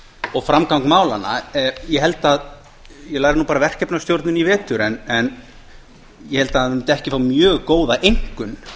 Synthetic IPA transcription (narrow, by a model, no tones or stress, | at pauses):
ɔɣfɾamkawŋkmaːwlanːa̰jɛɦɛlt̪að | jɛlaːɣɾɪnuːpaːɾavɛr̥cɛpnast̪jowɾt̪nʏnivɛːt̪ʏɾɛnɛn | jɛhɛlt̪ammt̪ɛhcɪfawmjœːɣkoːwðaʔejŋ̥kʏn